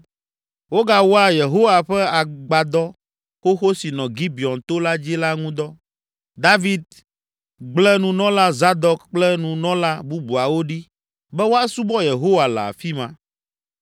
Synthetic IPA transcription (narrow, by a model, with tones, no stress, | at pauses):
wo˦ɡa˦wo˦a˦je˨ɦo˦wa˨ɸɛ˦a˨ɡ͡ba˨d̪ɔ˦ | xo˦xo˦si˨nɔ̃˨ɡi˦bi˨ɔ˨nt̪o˦la˦d͡ʑi˦la˦ŋũ˦d̪ɔ˦ | d̪a˦vi˦d̪̚ | ɡ͡blɛ˦nũ˨nɔ̃˦la˦za˦d̪ɔ˦kk͡plɛ˦nũ˨nɔ̃˦la˦bu˦bu˨a˨wo˦ɖi˦ | bɛ˦wo˦a˦su˦bɔ˦je˨ɦo˦wa˨la̰˨a̰˨fi˦mã˨